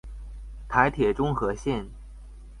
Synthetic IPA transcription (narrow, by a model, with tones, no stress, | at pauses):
t̪ʰa˧˥ɪt̪ʰjɛ˨˩ʈ͡ʂʊ˥ŋxɤ˧˥ɕjɛ˥˩n